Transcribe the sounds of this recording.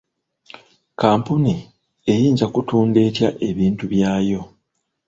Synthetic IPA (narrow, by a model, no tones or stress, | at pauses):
kaːmpuni | e̞jiːnzakutuːnde̞ːtjaʔe̞βiːntuβjaːjo̞